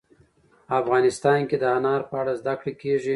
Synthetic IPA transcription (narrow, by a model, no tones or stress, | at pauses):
afɣɑnɪst̪ɑnked̪əanɑɾpəaɽazd̪akɽekeʐi